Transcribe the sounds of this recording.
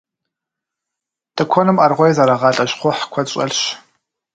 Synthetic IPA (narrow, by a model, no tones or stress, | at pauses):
tʼɨkʷʰɔnɨmʔɐrʁʷɔjzaɾɐʁɑːɬʼɐɕχʷɔħkʷʰɔɕʼɐ̰ɮɕ